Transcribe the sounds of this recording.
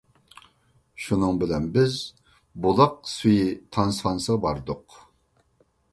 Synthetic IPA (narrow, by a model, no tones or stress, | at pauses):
ʃunɨŋbɪlɛnbɪz | bolˠɑq̚syjit̪ʰɑnsɑnsəʁɑbɑɾd̪ʊq